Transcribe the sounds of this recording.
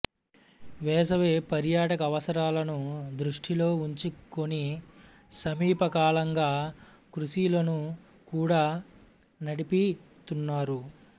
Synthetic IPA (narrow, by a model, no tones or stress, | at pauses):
ʋɛːs̬ɐʋeːpɐɾjaːʈɐkɐːʋɐsɐɾaːlɐnud̪ɾuʂʈʰilo̞ːuɲt͡ʃiko̞ni | sɐmiːpɐkaːlɐŋɡaː | kɾuʃilɐnu | kuːɽaː | nɐɽipi | t̪unːaːɾu